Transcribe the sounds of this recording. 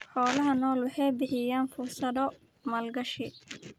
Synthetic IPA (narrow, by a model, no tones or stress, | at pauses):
ħɔːlɐɦɐnɔːlwɑħɑjbɪħɪjaːnfʊrsɐðɔ | mɐlɡɐʃɪ